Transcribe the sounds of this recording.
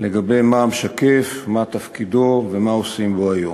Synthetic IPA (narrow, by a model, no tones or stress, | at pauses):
le̞ɡabe̞jmaːmʃakefmat̪afkid̪ovemaosimboajo